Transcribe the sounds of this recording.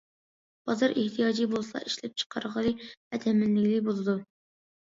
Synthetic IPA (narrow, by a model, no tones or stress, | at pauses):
b̥ɑzɑɾeht̪ʰijɑːd͡ʒijbolˠslˠɑ̰ʔiʃlɛp̚t͡ʃʰə̥qʰɑɾʁəlˠɨɛt̪ʰɛmɪnːɪɡʲlɪbolˠɨd̪u